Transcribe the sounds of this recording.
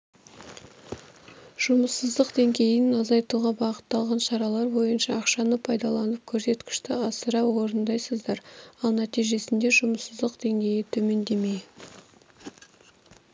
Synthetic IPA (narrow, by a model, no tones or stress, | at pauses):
ʒ̥ʊməsːəzd̪əqd̪̥e̞ŋɡʲe̞jɪnɑzɑjt̪uʁɑbɑqə̥t̪ːɑlˠʁɑnʃɑɾɑlˠɑɾbo̞jənʃɑːqʃɑnəpʰɑjd̪ɑlˠɑnəp̚kʲʰɵɾse̞t̪kʲɪ̥ʃt̪ɪɑsəɾɑwo̞ɾənd̪ɑjsəzd̪ɑɾɑlˠnæt̪ijʒe̞sɪnd̪e̞ʒʊməsəzd̪əqd̪̥e̞ŋɡʲe̞jɪt̪ʰɵme̞nd̪e̞me̞j